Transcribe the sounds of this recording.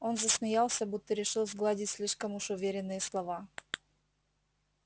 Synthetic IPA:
o̞nzəsmʲɪjalˠsʲəbut̪ːəɾʲɪʂɨlˠzɡlˠadʲɪtʲsʲlʲiʂkəmʊʂʊvʲeɾʲɪnːɨjəslˠɐva

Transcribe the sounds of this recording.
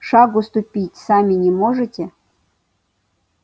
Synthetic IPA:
ʂɑɡʊst̪upʲitʲsamʲɪnʲemoʐɨtʲe

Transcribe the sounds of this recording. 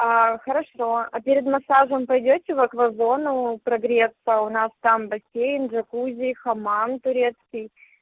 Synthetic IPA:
axəɾɐʂo̞ɐpʲɪɾʲɪd̪mɐsaʐəmpɐjdʲotʲɪvɐkvɐzo̞nʊpɾɐɡɾʲet̪səʊnast̪ambɐsʲejnʐɐkuzʲɪjxɐmant̪ʊɾʲe̞t̪skʲij

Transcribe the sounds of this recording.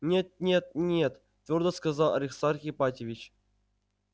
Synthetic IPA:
nʲet̪̚nʲet̪̚nʲet̪ | t̪vʲord̪əskɐzalˠɐ̰ɾʲɪksaɾxʲɪpatʲɪvʲɪt͡ɕ

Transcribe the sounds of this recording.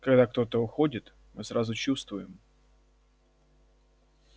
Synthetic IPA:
kɐɡd̪akt̪o̞t̪əʊxo̞dʲɪt̪ | mɨsɾazʊt͡ɕust̪vʊjɪm

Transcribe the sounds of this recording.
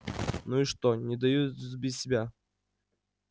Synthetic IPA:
nuiʂt̪onʲɪd̪ɐjuzbʲɪsʲsʲɪbʲa

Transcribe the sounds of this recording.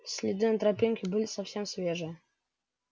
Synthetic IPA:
sʲlʲɪd̪ɨnət̪ɾɐpʲinʲkʲɪbɨlʲɪsɐfsʲemsvʲeʐɨ

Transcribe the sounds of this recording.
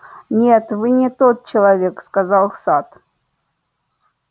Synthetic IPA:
nʲet̪vɨnʲɪt̪ot̪̚t͡ɕɪlˠɐvʲekskazɑlˠsat̪

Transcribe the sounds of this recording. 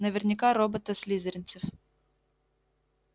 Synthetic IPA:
nəvʲɪrnʲɪkaɾobət̪əsʲlʲizəɾʲɪnt̪sɨf

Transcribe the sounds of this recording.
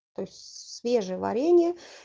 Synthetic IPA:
t̪oɪsʲtʲsvʲe̞ʐɨjəvɐ̰ɾʲenʲɪjə

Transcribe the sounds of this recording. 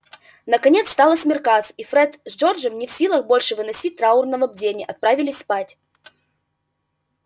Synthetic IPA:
nəkɐnʲe̞t̪st̪alˠəsmʲɪrkat̪sifɾɛt̪zʐord͡ʒəmnʲɪfsʲilˠəxbo̞lʲʂɨvɨnɐsʲit̚ʲt̪ɾaʊrnəvəb̚dʲenʲɪʔɐt̪̚pɾavʲɪlʲɪsʲspatʲ

